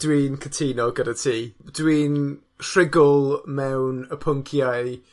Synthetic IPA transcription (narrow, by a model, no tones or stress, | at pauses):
d̥wiːnkʰətʰiːnɔɡədatʰiːdwiːn | rɪɡʊlˠmɛwnəpʰʊŋkʰjaj